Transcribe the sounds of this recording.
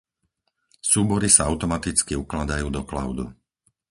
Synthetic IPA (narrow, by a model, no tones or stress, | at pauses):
suːbɔɾisaaʊt̪ɔmat̪it͡skiuklad̪ajuːd̪ɔkla̰ʊd̪ṵ